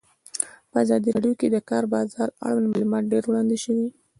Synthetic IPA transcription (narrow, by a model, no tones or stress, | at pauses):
pəazɑd̪iɾɑɖjoked̪əkɑɾbɑzɑɾa̰ɽwanmalumɑt̪̚ɖeɾwɽɑnd̪eʃəwi